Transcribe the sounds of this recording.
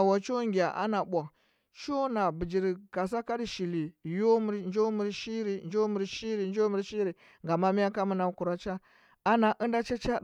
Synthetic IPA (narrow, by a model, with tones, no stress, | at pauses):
a˨wa˨t͡ʃo˦ŋɡʲi˨a˨ʔa̰˦na˨ɓʷa˨ŋ | t͡ʃo˦na˨bi˨d͡ʒi˨ɾi˨ka˨s̬a˦ka˦di˨ʃi˨li˨jo˦mu˦ɾnd͡ʒo˦mi˦ɾʃi˦ɾi˨nd͡ʒo˦mu˨ɾʃi˦ɾi˨nd͡ʒo˦mi˦˨ɾʃi˦ɾi˨ | ŋɡa˨ma˦mi˦ja˦ka˦mu˦na˨˦ku˨ɾa˦t͡ʃa˦ | a˦na˨ʔə˦nda˦t͡ʃa˦t͡ʃa˦